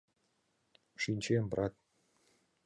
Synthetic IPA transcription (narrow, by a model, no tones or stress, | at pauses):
ʂinʲt͡ɕemprʔɑt̪̚